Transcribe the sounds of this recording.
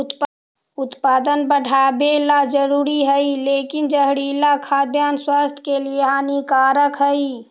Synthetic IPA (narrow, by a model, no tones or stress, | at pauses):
p | ʊt̪paːd̪ənbəʈʰaːbelad͡ʒəɾuːɾiɦəileːkɪnd͡ʒəɦɽiːlakʰaːd̪jaːnswaːst̪ʰkelieɦaːnikaːɾəkɦəi